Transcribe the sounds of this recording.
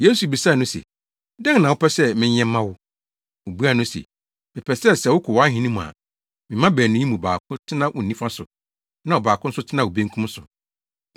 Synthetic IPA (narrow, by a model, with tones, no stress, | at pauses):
je˦su˨bi˨sa˦˨nʊ̃˦sḛ˨ | dɛ̃˦ŋ˦nã˨wʊ˦pɛ˦sɛ˦mɪ̃˦ɲɛ̃˦m˦mã˦wʊ˦ | o˨bu˦a˦˨nʊ̃˦sḛ˨ | mɪ̃˨pʰɛ˨sɛ˦sɛ˨wʊ˦kʰʊ˨wɔ˨˦a˦ɦĩ˦nĩ˦mũ˨a̰˨ | mɪ̃˨mã˦bæː˨nʊ̃˦ji˦mũ˨baː˨kʰʊ̃˦tʰɪ˦nã˦ʔʊ˨nĩ˦fa˦sʊ˨ | nã˦ɔ˨baː˨kʰʊ̃˦n̩˦sʊ˦tʰɪ˦nã˦˨o˨bẽ˦ŋ˦kʰũ˦m˦sʊ˨